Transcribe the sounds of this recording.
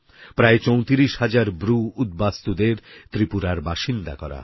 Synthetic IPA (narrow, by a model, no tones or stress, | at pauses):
pɾaet͡ɕowt̪iɾiʃhad͡ʑaɾbɾuud̪̚bast̪ud̪eɾt̪ɾipuɾaɾbaʃind̪a̰kɔ̰ɾa̰